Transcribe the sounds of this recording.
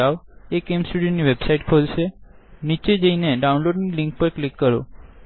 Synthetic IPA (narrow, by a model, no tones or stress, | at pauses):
aʋekemsʈuɽijoniʋebsaiʈkʰolʃenit͡ʃed͡ʒəineɖaunloɖniliŋk̚pəɾklikːəɾo̰